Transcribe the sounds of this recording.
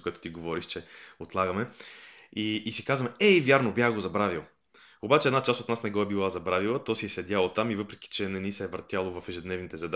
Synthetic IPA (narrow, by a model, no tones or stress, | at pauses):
koɛt̪o̥t̪iɡovɔɾiʃt͡ʃɛot̪lˠaɡɐmɛ | iːsi̥kazvəmɛivʲjaɾnobʲjaxɡozɐbɾavilˠ | obat͡ʃɛd̪nat͡ʃast̪ot̪nasnɛɡɔɛbilˠazɐbɾavilˠət̪ɔsiɛsɛd̪ʲalˠot̪amivɤpɾɛki̥t͡ʃɛnɛnisɛɛvɾt̪ʲjalˠovɐfɛʒɛd̪nɛvnit̪ɛzɐd̪